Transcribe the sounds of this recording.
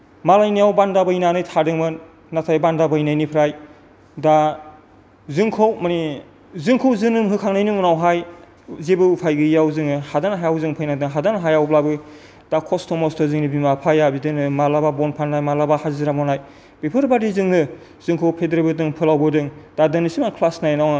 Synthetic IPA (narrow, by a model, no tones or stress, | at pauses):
malajnijawbandabɯjnanɯjtʰadɯŋmɯnː | atʰajbandabɯjnajnipʰɾaj | da | zɯŋkʰowmani | zɯŋkʰowzɯnɯmɦɯkʰaŋnajnɯmunawɦaj | zebɯupʰajɡɯjawzɯŋɯhadanɦajawzɯŋpʰɯjnadɯŋɦadanɦajawblabɯ | d̥akʰɔstʰɔmɔstʰɔzɯŋnibimapʰajabidɯŋnɯmalababɔnpʰanːajmalabahaziɾamɔnaj | b̥ipʰɯɾbadizɯŋnɯ | zɯŋkʰowpʰedɾebɯdɯŋpʰɯlawbɯdɯŋd̥adɯnisimankʰlasnajnaw